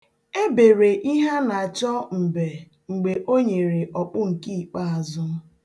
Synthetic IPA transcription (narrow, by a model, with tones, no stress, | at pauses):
e˦be˨ɾe˨ʔi˦ɦa˦na˨a˨t͡ʃɔ˦m̩˨be˨ | ŋ͡m̩˨ɡ͡be˨ʔo˦ɲe˨ɾe˨ʔɔ˨k͡pʊ˦ŋ̩˨ki˦i˨k͡pa˦a˨zʊ˦